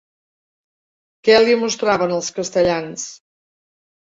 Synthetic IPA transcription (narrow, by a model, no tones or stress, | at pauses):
kɛlimust̪ɾaβənəlˠskəst̪əʎans